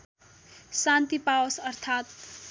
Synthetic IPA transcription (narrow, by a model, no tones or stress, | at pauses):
sant̪ipawʌsʌrt̪ʰat̪̚